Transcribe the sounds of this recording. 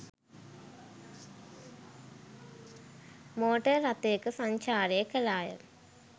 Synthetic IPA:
moːʈɐɾɐt̪ːeːkːɨsɐɲt͡ɕaːɾeekɐlaːjɐ̰

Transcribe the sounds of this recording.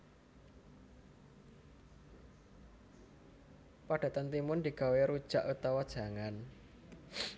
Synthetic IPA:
paɖ̥a̤t̪ənt̪imʊnd̪i̤ɡ̥a̤weɾud̥ʒ̥a̤ʔut̪awɔd̥ʒ̥a̤ŋan

